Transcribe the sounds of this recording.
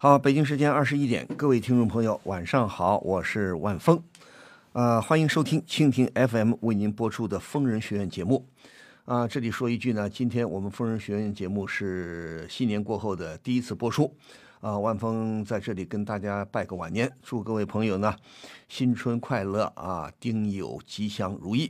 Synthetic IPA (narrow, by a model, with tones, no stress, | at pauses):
xɑ˧˦pe˨˩ɪt͡ɕi˥ŋʂ̬ɻ̩˧˥t͡ɕjɛ˥nɐ˥˩ʂ̬ɻ̩˧˥i˥t̪jɛ̰˨˩˦nkɤ˥˧we˥˩ɪi˥nʈ͡ʂʊ˥˩ŋpʰɤ˧˥ŋjo˧˩˦ʊwʔa˨˩nʂɑ˥˩ŋxɑ˨˩˦ʊwʔɔ˨˩ʂɻ̩˥˧wa˥˩nfɤ˥ŋ | ə˧xwa˥ni˧˥ŋʂo˥ʊt̪ʰi˥ŋt͡ɕʰi˥ŋt̪ʰi˥ŋʔɛ˥fɛ˥mwe˥˩ɪni˧˥npwɔ˥ʈ͡ʂʰu˥d̪ə˨fɤ˥ŋɻə˧˥nɕɥɛ˧˥ɥɛ˥˩nt͡ɕjɛ˧˥mu˥˩ | ə˧ʈ͡ʂɤ˥˩li˨˩ʂwɔ˥i˥˧t͡ɕy˥˩nə˩t͡ɕi˥nt̪ʰjɛ˥nwɔ˨˩mə˦nfɤ˥ŋɻə˧˥nɕɥɛ˧˥ɥɛ˥˩nt͡ɕjɛ˧˥mu˥˧ʂɻ̩˥˩ɕi˥njɛ˧˥nkwɔ˥˧xo˥˩ʊd̪ə˩t̪i˥˩i˥t͡sʰɹ̩˥˩pwɔ˥ʈ͡ʂʰu˥ | ə˧wa˥˩nfɤ˥ŋt͡sa˥˧ɪʈ͡ʂɤ˥˩li˨˩kə˥nt̪a˥˩t͡ɕja˥pa˥˩ɪɡə˨˩wa˨˩njɛ˧˥nʈ͡ʂu˥˧kɤ˥˧we˥˩ɪpʰɤ˧˥ŋjo˨˩ʊnə˩ɕi˥nʈ͡ʂʰwə˥nkʰwa˥˧ɪlɤ˥˩ə̰˧˩t̪i˥ŋjo̰˨˩ʊt͡ɕi˥ɕjɑ˥ŋɻu˧˥i˥˩